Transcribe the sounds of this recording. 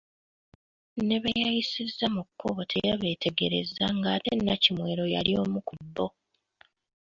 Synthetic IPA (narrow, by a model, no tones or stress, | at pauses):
ne̞βajajisizːamukʰːo̞βtʰe̞̰jaβe̞ːtʰe̞ɡe̞ɾe̞̰zːaŋɡaːte̞nːacimwe̞ːɾo̞ja̰lio̞ːmukubːo̞